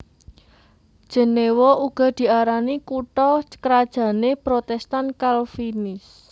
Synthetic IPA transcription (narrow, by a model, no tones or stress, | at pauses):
d̥ʒ̥ə̤newoʔuɡ̥ɔ̤d̪̥i̤aɾanikuʈɔkɾad̥ʒ̥ä̤nepɾot̪ɛst̪ankalfinɪs